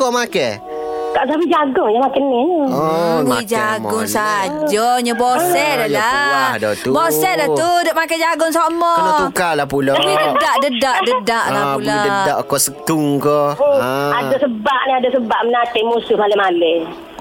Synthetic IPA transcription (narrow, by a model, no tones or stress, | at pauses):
kɔmakɛ | kaʔs̬apid͡ʒaɡʊŋjamakənːiɲəɔwid͡ʒaɡʊŋsad͡ʒɔɲəbosɛdadaadɔt̪ubɔsɛdat̪udɔʔmakɛd͡ʒaɡʊŋsomɔukalahpulopidədaʔdədaʔdədaʔlapuladədaʔkɔʔsət̪uŋkɔ | adasəbaʔniadasəbaʔmənatɪmusʊhmalɛmale